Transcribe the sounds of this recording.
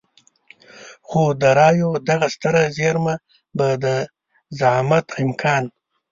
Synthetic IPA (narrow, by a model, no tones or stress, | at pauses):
xod̪əɾɑːjod̪aɣast̪əɾazeɾma | bad̪ə | zaʕmat̪ɪmkʰɑːn